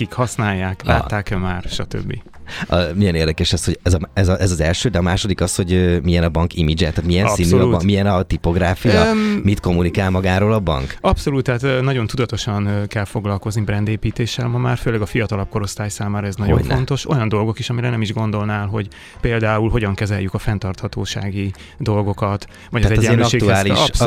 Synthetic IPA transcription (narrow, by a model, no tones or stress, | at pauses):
kikhɒsnaːjːaːkla̰ːt̪ːaːkɛmaːrʃɒt̪ø̰bːḭ | mijɛneːrd̪ɛkɛʃɛsho̞ɟɛzɒmɛzʔɛzɒzɛlʃøːd̪ɛɒmaːʃod̪ikɒsho̞ɟømijɛnɒbɒŋkimid͡ʒɛt̪at̪mijɛnsisnuːmijɛnɒt̪ipo̞ɡɾaːfijɒmit̪ko̞mːunikaːlmɒɡaːɾoːlɒbɒ̰ŋkɒpso̞luːt̪ːɛaːt̪nɒɟo̞nt̪ud̪ɒt̪o̞ʃɒnkɛlfo̞ɡlɒlko̞znibrɛnd̪eːpiːt̪eːʃːɛlmɒmaːrføːlɛɡɒfijɒt̪ɒlɒp̚ko̞ɾo̞st̪aːjsaːmaːɾɒɛznɒɟo̞̰ɱfo̞nt̪o̞ʃo̞jɒnd̪o̞lɡo̞kiʃɒmiɾɛlnɛmiʒɡo̞nd̪o̞lnaːlɦo̞ɟ | peːld̪aːulɦo̞ɟɒŋkɛzɛjykɒfɛnt̪ɒrt̪hɒt̪o̰ːʃa̰ːɡi | d̪o̞lɡo̞kɒt̪ | vɒɟzɛɟɛløʃeːɡ̪uaːli